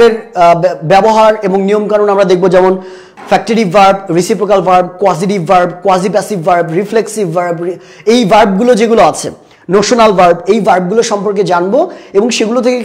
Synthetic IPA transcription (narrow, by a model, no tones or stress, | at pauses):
eɾ | bɛboɦaɾeboŋnijomkaɾonamɾad̪ek̚ʰbod͡ʑɛmon | fɛk̚ʈeɽibːaɾbɾisipɾokalvaɾbkoasiʈ̬ibːaɾbkasipasibːaɾbɾifleksibːaɾb | ejvaɾb̚ɡulod͡ʑeɡuloat͡ɕʰḛ | noʃonalvaɾbejvaɾb̚ɡuloɾʃɔmpoɾk̬ed͡ʑanboeboŋʃeɡulot̪ʰeke